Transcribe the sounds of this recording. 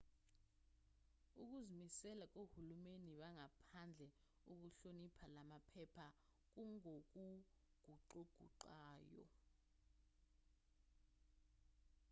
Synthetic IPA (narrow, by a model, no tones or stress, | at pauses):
uk̬uzimisɛlak̬ʼohulumeniɓaŋapʰand͡ɮʱɛ | uk̬uɬonipʰalamapʰɛpʰa | k̬uŋok̬u | ɡ̥ʱuǃoɡ̥ʱṵǃaːjɔ̰